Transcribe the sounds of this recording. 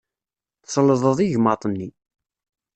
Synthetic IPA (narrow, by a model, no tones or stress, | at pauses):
θsləðˤəðˤiʝmɑt̪ˤənːi